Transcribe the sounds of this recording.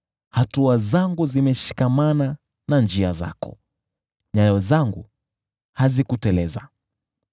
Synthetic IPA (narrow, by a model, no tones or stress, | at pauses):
hatuazaŋɡuzimɛʃi̥kamana | nand͡ʒiaza̰kɔ̰ | ɲajɔzaŋɡṵ | hazikutɛlɛza̰